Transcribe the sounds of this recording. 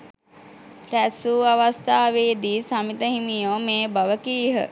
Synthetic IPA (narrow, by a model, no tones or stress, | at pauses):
ɾæsuːaʋast̪aːʋeːd̪iːsamit̪əɦimijoːmeːbaʋəkiːɦə̰